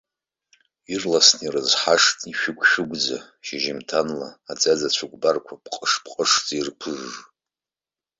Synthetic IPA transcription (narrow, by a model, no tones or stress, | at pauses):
irlasnirɨzħaʂtʼiʃᶣʊɡʷʰʼʃᶣʊɡʷʼd͡za | ʃiʒimtʰanlaːd͡zʼad͡zat͡ɕʷʰaɡʷbarkʷʰapʰʼqʼəʂpʼqʼəʂd͡zirpʰɨʐː